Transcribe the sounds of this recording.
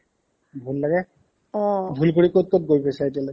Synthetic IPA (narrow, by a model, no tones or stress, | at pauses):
bʱullaɡɛ | ɔ̃bʱulkoɹikot̚kot̚ɡojpesaetijalojɡ